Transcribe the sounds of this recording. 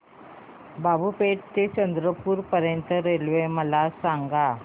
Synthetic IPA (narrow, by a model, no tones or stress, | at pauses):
babupeʈt̪et͡ɕənd̪ɾəpuːɾpəɾjənt̪əɾelʋeməlasaŋɡa